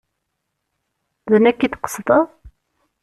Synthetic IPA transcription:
ðənækːiðqə̥sðɑ

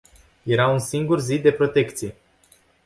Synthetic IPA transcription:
je̞ɾaunsiŋɡurzid̪e̞pɾo̞t̪e̞kt̪sije̞

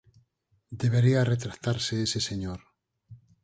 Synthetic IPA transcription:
d̪e̞βeɾiaret̪ɾat̪aɾseeseseɲoɾ

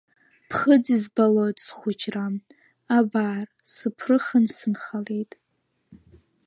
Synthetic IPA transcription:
pʰχəd͡zizbalojtʼsχʷʊt͡ʃʰʼram | abaːr | sɨpʰrɨχənsɨnχalejtʼ

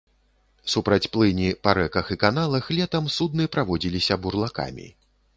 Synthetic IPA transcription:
supɾɐt͡sʲplˠɨnʲipaɾɛkɐxikanalˠɐxlʲɛt̪ɐmsud̪̚nɨpɾavɔd͡zʲilʲisʲɐburlˠaka̰mʲḭ

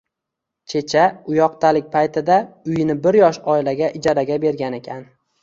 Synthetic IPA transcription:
t͡ʃʰe̞t͡ʃʰaʊjɒqt̪ʰalɪk̚ʲpʰajt̪ʰɪd̪aʊjnɪbɪɾjɒʃɒɪlaɡʲaʔɪd͡ʒɒɾaɡʲabe̞ɾɡʲane̞kʲʰan

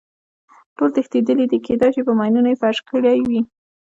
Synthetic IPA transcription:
ʈolt̪əxt̪id̪əlid̪iked̪ɑjʃipəmɑjnunaefaʃkəɽajwi

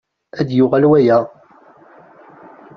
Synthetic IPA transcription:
æd̪jʊʁælwæjæ

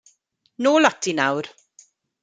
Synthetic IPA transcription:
noːlatʰinawɾ

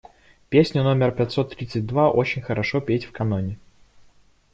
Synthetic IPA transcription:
pʲesʲnʲʊno̞mʲɪrpʲɛt̪ʲsot̪ːɾʲit̪sɨt̚ʲd̪vaʔo̞t͡ɕɪnʲxəɾɐʂopʲetʲfkɐnonʲɪ

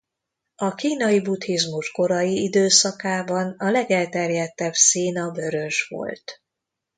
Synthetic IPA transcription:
ɒkiːnɒjibut̪hizmuʃko̞ɾɒjiid̪øːsɒkaːbɒnɒlɛɡɛlt̪ɛrjɛt̪ːɛbseːnɒbø̞ɾø̞ʒʋo̰lt̪

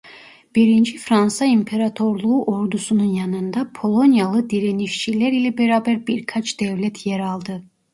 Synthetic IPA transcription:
b̥iɾind͡ʒifɾansaimpʰe̞ɾat̪ʰo̞ɾlˠuːʔo̞ɾd̪usununjanɯnd̪apʰo̞lˠo̞njalˠɯd̪iɾeniʃt͡ʃʰilʲæɾilʲɛbeɾaːbæɾbiɾkʰat͡ʃd̪̥ɛvlʲɛt̪ʰjeɾalˠd̪ɯ

